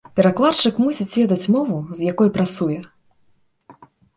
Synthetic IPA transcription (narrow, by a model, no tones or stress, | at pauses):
pʲɛɾaklˠat͡ʂɨkmusʲit͡sʲvʲɛd̪ɐt͡sʲmɔvuzjakɔjpɾat̪sujɛ